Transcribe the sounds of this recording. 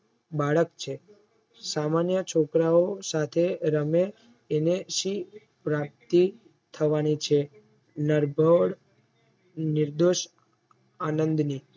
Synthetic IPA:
baɭəkt͡ʃʰe | samanjət͡ʃʰokɾaosat̪ʰeɾəmeː | neʃi | pɾap̚t̪i | t̪ʰəʋanit͡ʃʰe | nəɾbʱəɽ | nɪɾd̪oʃ | anənd̪ni

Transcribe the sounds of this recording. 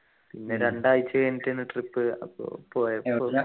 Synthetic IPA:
pinːeɾeɳɖaːjit͡ɕːɐeːnitːenːɨʈripːɨɐ̰po̰ːpoːjɐ

